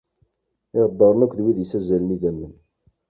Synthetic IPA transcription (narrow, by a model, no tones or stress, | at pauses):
ɪʁd̪ˤːɑɾˤnækʷːðwiðjəsæzælniðæmːən